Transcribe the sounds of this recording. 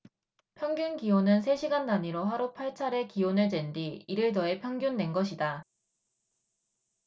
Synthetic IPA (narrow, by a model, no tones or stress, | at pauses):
pʰjʌŋɡjunɡionɯnsʰe̞ɕʰiɡanːaɲiɾoɦaɾopʰaɭt͡ɕʰaɾe̞kionɯɭd͡ʑwe̞ndiːɾɯɭdʌe̞pʰjʌŋɡjunːe̞nɡʌɕʰida